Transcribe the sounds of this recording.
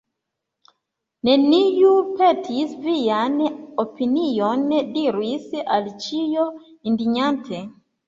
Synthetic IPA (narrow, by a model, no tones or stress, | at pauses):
nenijupɛtʰisvijanopinijɔndiɾwisalt͡ʃijɔ | indiɲantʰɛ